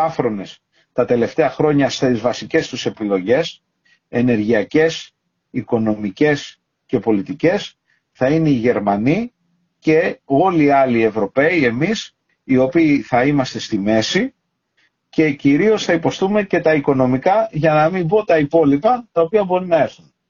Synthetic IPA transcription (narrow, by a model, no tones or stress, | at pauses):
ɐfɾo̞ne̞s | t̪ɐt̪e̞le̞ft̪eɐxɾo̞ɲɐst̪izvɐsice̞st̪use̞pilo̞ʝe̞s | e̞ne̞ɾʝiɐce̞s | iko̞no̞mice̞s | ce̞po̞lit̪ice̞s | θɐineiʝe̞ɾmɐni | ce̞o̞liɐlie̞vɾo̞pe̞ie̞mis | io̞piːθɐimɐst̪e̞st̪ime̞si | ce̞ciɾio̞sθɐipo̞st̪ume̞ce̞t̪ɐiko̞no̞mikɐʝɐnɐmimbot̪ɐipo̞lipɐt̪ɐopiɐbo̞ɾinɐe̞ɾθun